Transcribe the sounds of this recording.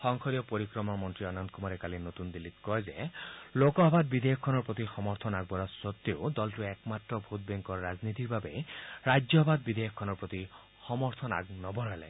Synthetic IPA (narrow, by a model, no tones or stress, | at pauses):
xɔŋkʰɔɾijɔpoɾikɾɔmɔmɔnt̪ɾiɔnant̪̚kumɔɾekalinot̪und̪ilːit̪kɔɦezelokɔɦɔbʱad̪bid̪ʱejɔkʰːɔnɔɾpot̪ixɔmɔɾt̪ʰɔnaɡ̚bɔɾɔsɔt̪ːeod̪ɔlʈuɛkmat̪rɔbʱut̪̚bɛŋkɔɾad͡ʒnit̪iɾbabeɾad͡ʒjɔɦɔbʱad̪̚bid̪ejɔkʰːɔnɔɾpɾɔt̪i | xɔmɔɾt̪ʰɔna̰ɡnɔbʱɔɾela̰